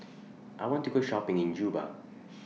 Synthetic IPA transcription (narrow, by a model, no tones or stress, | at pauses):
ʔajwɔ̃ntuɡoʃɔpɪ̃ŋɪ̃nd͡ʒuba̰